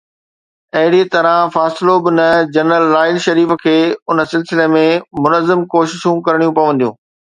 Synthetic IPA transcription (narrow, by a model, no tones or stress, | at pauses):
ɐɦɪɽit̪ɐɾãfaːsɪlobɪnɐd͡ʑɐnɾəlːaːɪlʃɐɾiːfkʰeːʊnə̆sɪlsɪlemẽmʊnəzːɪmkoːʃɪʃũkɐɾɽ̃ijũpɐʋə̃nd̪ijũː